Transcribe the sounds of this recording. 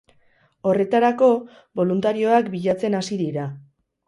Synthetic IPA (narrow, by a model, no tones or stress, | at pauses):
o̞re̞t̪aɾako̞ | bo̞lunt̪aɾio̞akbiʎat͡se̞nasiðiɾa